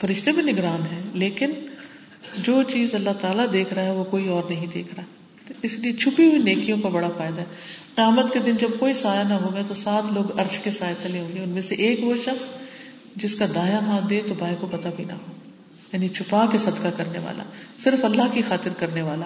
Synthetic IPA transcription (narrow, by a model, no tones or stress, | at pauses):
fɐɾɪʃt̪ebʱinɪɡɾaːnɦɛːleːkɪn | d͡ʒoːt͡ʃiːzɐlːat̪aːlad̪eːkʰɾaɦɛʋokoːiɔːɾnɐɦĩd̪ḛːkʰɾaɦ | ɪsliet͡ʃʰʊpiɦuineːkijõkabɐɽafaːɪd̪aɦɛqɪjaːmət̪ked̪ɪnd͡ʒɐb̚koːisaːjanaɦoːɡaet̪osaːt̪ʰloːɡɐɾʃkesaːjet̪ʰɐleɦõːŋɡeʊnmẽseʔeːkʋoʃɐxs | d͡ʒɪskad̪aːjaɦãːd̪eːt̪obaːekopɐt̪abʱinɐ̰ɦoː | jaːnit͡ʃʰʊpakesɐd̪kakɐɾneʋa̰ːlʔa̰sɪɾfɐlːaɦkixaːt̪ɪɾkɐɾneʋaːlaː